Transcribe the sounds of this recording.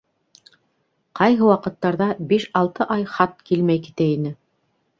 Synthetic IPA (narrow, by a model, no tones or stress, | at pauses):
qɑjɦɤ̆wɑqɤ̆t̪ːɑɾðɑbiʃɑlˠt̪ɤʔɑjχɑt̪̚kilmæjki̥t̪æinɘ